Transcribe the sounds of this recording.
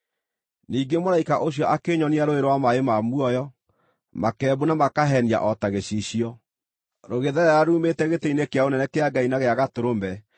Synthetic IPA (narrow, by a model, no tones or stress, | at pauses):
niːɡemoɾaikaʔoɕjɔʔakeɲɔniaɾoeɾowamaemamuɔjɔ | makɛbunamakaɦɛnia̰ʔɔtaɣeɕiɕiɔ | ɾoɣeðɛɾɛɾaɾuːmetɛɣetɛinekeaonɛnɛkeaɡainaɣeaɣatoɾombɛ